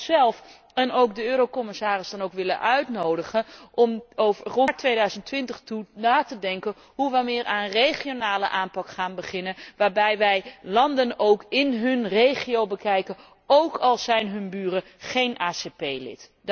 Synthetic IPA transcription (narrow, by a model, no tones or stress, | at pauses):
sɛlˠf | ɛnowk̚dəøːɾowkɔmɪsaːrɪzdɑnowkʋɪlə̰nʔœɥtnowdəχənʔɔmowvərɔɹtʋejdœɥzəntʋɪntəχtunaːtədɛŋkə | ɦuʋəjmɪːɹʔa̰ːnərejχionaːlə̰ʔaːmpɑkχaːnbəχɪnənʋaːɹbɛjʋɛjlɑndənowkɪnɦɵnrejχijowbəkɛjkən | owkɑlˠzɛjnɦɵnbyːrə | χejnʔaːsepejlɪ̰t